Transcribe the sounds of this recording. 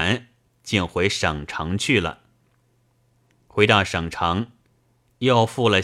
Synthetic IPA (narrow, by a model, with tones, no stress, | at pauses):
n | t͡ɕi˥˩nxwe˧˥ɪʂɤ˨˩ŋʈ͡ʂʰɑ˧˥ŋt͡ɕʰy˥˩lə̰˩ | xwe˧˥ɪt̪ɑ˥˩ʊʂɤ˨˩ŋʈ͡ʂʰɑ˧˥ŋ | jɑ˥˧ʊfu˥˩lə˩